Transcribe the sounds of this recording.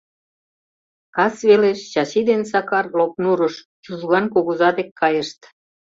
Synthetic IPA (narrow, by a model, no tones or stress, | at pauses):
kɑsβeleʃt͡ɕɑʃid̪ensɑkɑrlop̚nuɾəʃ | t͡ɕuzɣɑnkoɣuzɑd̪ekʰːɑjəʃt̪